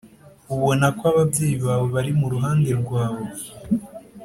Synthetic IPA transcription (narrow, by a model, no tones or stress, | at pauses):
uβo̞nakoaβabɟe̞ːjiβaːwe̞βaɾimuɾuɦaːnde̞ɾɡwaːβo̞